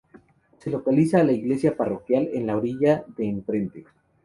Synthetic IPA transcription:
se̞lo̞kalisaːlaiɣle̞sjaparo̞kjale̞̰nlaoɾiʝaðe̞ːɱpɾe̞nt̪e

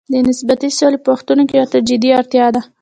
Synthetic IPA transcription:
d̪ənɪsbat̪isolepəaxt̪unokejɑt̪əɾd͡ʒɪd̪iɑɾt̪jɑd̪a

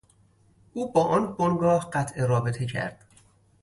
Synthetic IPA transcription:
ʔuːbɒːʔɒnbonɡɒːhɢæt̪ʰʔeɾɒːbet̪ʰecʰæ̰ɾd̪̥

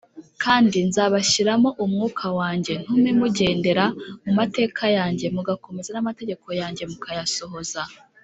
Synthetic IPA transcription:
kʰaːndinzaːβaʃiɾamo̞ʔumŋuːkʰawaːɲɟe̞n̥humemuɟe̞ːnde̞ɾamumate̞ːkʰajaːɲɟe̞muɡako̞me̞zanamate̞ɟe̞ko̞jaːɲɟe̞mukʰajaso̞ɦo̞za

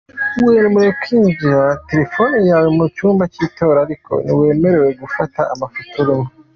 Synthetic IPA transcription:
wenimuɾekʰiːɲɟiɾate̞ɾefo̞nijaːwemut͡ʃuːmbat͡ʃiːto̞ːɾaːɾikʰo̞̰niwe̞ːme̞ɾe̞we̞ɡufataːmafutuɾimo

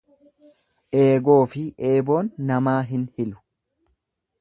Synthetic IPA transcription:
ʔe̞ːɡo̞ːfɪʔe̞ːbo̞ːnːɐmaːɦɪnhɪlʊ̥

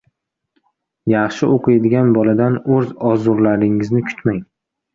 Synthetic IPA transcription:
jɑχʃɪʔoqʰɨjd̪ɪɡʲanbɒlad̪anɵzɒzʊɾlaɾɪŋɪznɪkʰʊ̥t̪maŋ

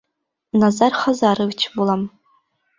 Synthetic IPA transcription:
nazarχɐzaːɾɨvt͡ʃʰbulɐm

